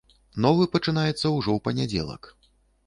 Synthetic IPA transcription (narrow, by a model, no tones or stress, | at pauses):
nɔvɨpɐt͡ʂɨnajɛt̪sːɐwʐɔwpɐnʲad͡zʲɛ̰lˠɐ̰k